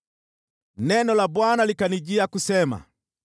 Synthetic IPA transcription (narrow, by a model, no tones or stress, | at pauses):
nɛnɔlabwanalikaniɟiakusɛma̰